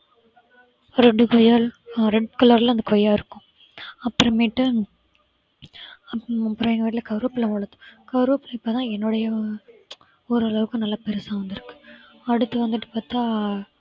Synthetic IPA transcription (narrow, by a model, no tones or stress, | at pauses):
ɾɛɖɯkɔjalɾɛɖ̚kɐlɐɾɪlɐnd̪ɐkɔjːaːɪɾɯkːʊ̃ | ɐpːɯɾɔ̃miːʈːɯ | ɐɐpːɾɐ̃ɛŋɡɐʋiːʈ̬ɪlɐkɐʋɾopːɪlɐ̃ʋɐɭɐt̪ːɯ̥̃kɐʋɾuːpːɪlɐ̃ɪpːoːt̪ãːɛnːʊɽɐjɐ | ɔɾɯɐɭɐʋɯkːɯ̃nɐlːɐpɛɾɯsãːʋɐnd̪ɪɾɯkːɯ̥ | ɐɽɯt̪ːɯʋɐnd̪ɯʈːɯ̥paːɾt̪aː